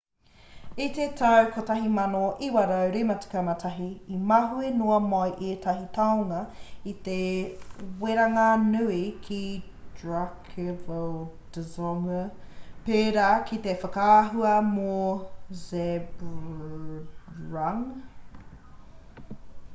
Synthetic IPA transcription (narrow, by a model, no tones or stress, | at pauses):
it̪et̪ʰawkʰot̪ɐɦimɐnoʔiwaɾawɾimɐt͡si̥kɐmatʰɐɦiːmaɦuenoɐmajʔet̪ʰɐɦit̪ʰawnɐit̪e | weɾaŋanʉikʰi | dɹakʰevod̥əzoŋəpeːɾaːkʰit̪efɐkaːɦuɐmozeb | ɹaŋ